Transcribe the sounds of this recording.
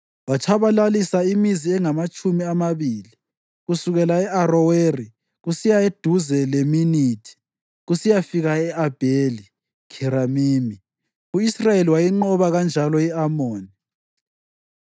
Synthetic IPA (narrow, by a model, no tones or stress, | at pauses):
wat͡ʃʰaβalalisaimiziɛŋamat͡ʃʼumiamaβiːli | ɣusuɣɛlaɛʔarɔweri | ɣusijaed̥ʱuzɛleminiːtʰi̥ | ɣusijafiɣaɛʔab̥ʱeli | kʰiɾamiːmi | uisrajeliwajiŋ͡ǃɔβaɣand͡ʒʱalɔiamoːni